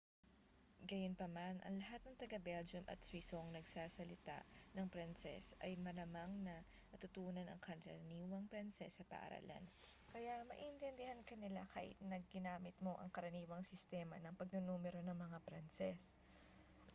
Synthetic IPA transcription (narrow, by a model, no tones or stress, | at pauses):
ɡɐjonpɐmanʔɐ̰ŋlɐhat̪̚nɐŋt̪ɐɡɐbɛld͡ʒʊmʔɐ̰t̪swisoŋnɐɡsaːsɐlɪt̪a̰ʔnɐŋpɾɛnsɛ̰sʔɐjmɐlɐmaŋnɐ | nɐt̪ʊt̪uːnɐnɐ̰ŋkɐɾɐ̰ɐniːwɐŋpɾɛnsɛsɐpɐ̰ʔɐ̰ɾa̰la̰n | kɐjaʔmɐʔɪʔɛnt̪ɛnd̪ɪhankɐnɪlakaːʔɪ̰t̪̚nɐɡɡɪnaːmɪt̪̚mo̞ʔɐ̰ŋkɐɾɐniːwɐŋsɪst̪ɛːmɐnɐŋpɐɡ̚nonuːmɛɾo̞nɐŋmɐŋapɾɛnsɛs